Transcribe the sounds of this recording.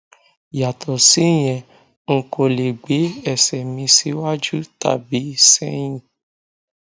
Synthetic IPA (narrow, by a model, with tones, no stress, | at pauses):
ja˨tʰɔ˨si˨˦˨j̃ɛ̃˨ | ŋ̩˨kʰo˨˧˨le˨ɡ͡be˨˦ɛ˦˨sɛ˨mĩ˧si˨˦wa˦d͡ʒu˦ta̰˦˨bi˨˦sɛ̃˦j̃ĩ˨